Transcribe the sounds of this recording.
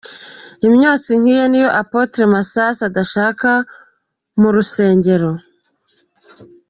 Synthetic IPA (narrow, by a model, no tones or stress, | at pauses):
imɲoːt͡siŋ̥hiːjenijo̞ʔapotɾemasasadaʃaːka | muɾuse̞ːɲɟe̞ɾo̞